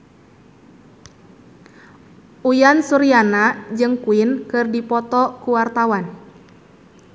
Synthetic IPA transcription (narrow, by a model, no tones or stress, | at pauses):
ujansuɾianad͡ʒɨŋkuɪnkɨrdipɔt̪ɔkuwart̪awan